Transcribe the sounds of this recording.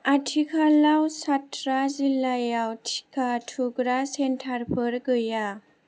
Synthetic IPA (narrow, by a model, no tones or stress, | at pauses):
atʰikʰalawsatʰɾazilajawtʰi̥kʰatʰuɡɾasentʰaɾpʰɯɾɡɯja